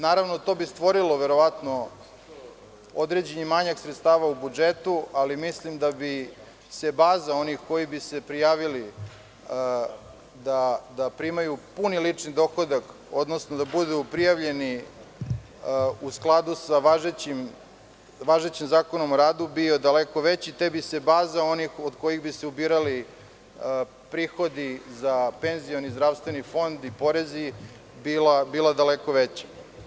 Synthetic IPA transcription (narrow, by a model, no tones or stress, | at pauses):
naːɾaʋnot̪o̞bist̪ʋo̞ɾiloʋe̞ɾo̞ʋat̪no̞ | o̞d̪ɾed͡ʑeɲimaɲaksɾet̪st̪aːʋaubud͡ʒet̪ualimislimd̪abi | se̞baːzao̞nixko̞jibise̞pɾijaːʋili | d̪ad̪apɾimajupunilit͡ʂnid̪o̞xod̪ak | o̞d̪no̞snod̪abud̪upɾijaʋʎe̞ni | usklˠad̪usaʋaʒet͡ɕim | ʋaʒet͡ɕimzaːko̞nomoɾaːd̪ubio̞d̪aleko̞ʋet͡ɕit̪ebise̞baːzao̞nixod̪ko̞jiɣbiseubiːɾali | pɾiːxo̞d̪izape̞nzijonizd̪ɾaʋst̪ʋenifo̞nd̪ipo̞ɾezi | bilabilad̪aleko̞ʋet͡ɕe̥